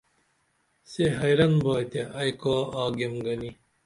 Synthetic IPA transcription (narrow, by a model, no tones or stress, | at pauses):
seɦɐjɾɐnboːjt̪eʔɐjkoːaːɡemɡɐni